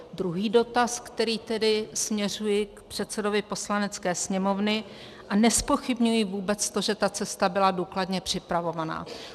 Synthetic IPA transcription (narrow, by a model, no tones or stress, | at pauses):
d̪ɾuɦiːdo̞t̪askt̪ɛɾiːt̪ɛdɪsmɲɛr̝ujɪkpr̥ɛt̪sɛdo̞vɪpo̞slanɛt͡skɛːsɲɛmo̞vnɪ | ʔanɛspo̞xɪbɲujɪvuːbɛt͡st̪o̞ʒɛt̪at͡sɛst̪abɪladuːkladɲɛpr̥ɪpɾavo̞vana̰ː